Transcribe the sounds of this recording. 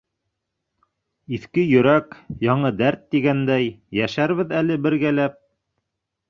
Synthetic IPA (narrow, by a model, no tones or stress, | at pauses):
iθkɘjɵ̆ɾækjɑɴɤd̪æɾt̪ːiɡænd̪æjːæʃæɾβɘðælɘbɘ̆ɾɡælæp̚